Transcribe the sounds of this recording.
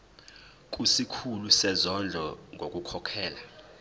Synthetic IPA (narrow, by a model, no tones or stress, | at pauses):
k̬ʼusikʰulusɛzɔnd͡ɮʱɔŋʱokʼukʰɔkʰɛːla